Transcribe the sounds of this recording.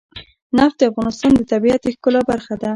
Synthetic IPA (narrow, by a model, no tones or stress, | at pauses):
naft̪̚d̪əafɣɑnɪst̪ɑnd̪ət̪abiat̪exkəlabaɾxad̪a